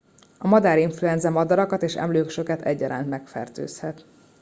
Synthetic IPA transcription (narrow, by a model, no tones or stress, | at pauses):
ɒmɒd̪aːɾiɱfluɛnzɛmɒd̪ɒɾɒkɒt̪eːʃɛ̰mløːkʃø̞kɛt̪ɛ̰ɟːɒɾa̰ːnt̪mɛkfɛ̰rt̪ø̰ːshɛt̪